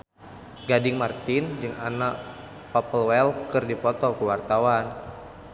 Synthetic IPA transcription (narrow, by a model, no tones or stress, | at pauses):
ɡadɪŋmart̪ɪnd͡ʒɨŋanaʔ | papəlwɛlkɨrdipɔt̪ɔkəwart̪awan